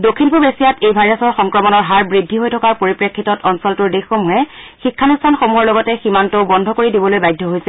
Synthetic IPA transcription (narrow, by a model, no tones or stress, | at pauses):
dokʰːinpɔbesijatejbʱajɹasɔɹxɔŋkɹɔmɔnɔɹɦaɹbɹidʱːiɦojtʰɔkaɹpoɹipɹekʰːitɔtɔnsɔltʊɹdexomuɦɛ | xikʰːanustʰanxomuɦɔɹlɔɡɔtɛximantɔbɔndʱɔkoɹidibɔlojbajdʱːɔɦojsɛ